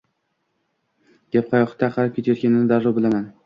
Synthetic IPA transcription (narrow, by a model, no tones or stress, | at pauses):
ɡ̥ʲap̚qʰajɒqɨ̥t̪ʰːaqʰɑɾap̚kʲʰet̪ʰjɔt̪kʲanɪnɪd̪aɾːɒbɪlaman